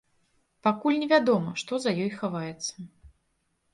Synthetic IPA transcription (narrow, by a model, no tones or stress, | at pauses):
pakulʲnʲɛvʲad̪ɔmɐʂt̪ɔzɐjɔjxavajɛt̪sːɐ